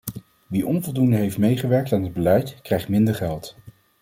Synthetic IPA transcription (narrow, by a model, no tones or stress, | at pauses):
ʋiʔɔnvɔlˠdundəɦejftmejχəʋɛɹk̚taːnɦəd̚bəlɛjtkrɛjχtmɪndəɹχɛlˠt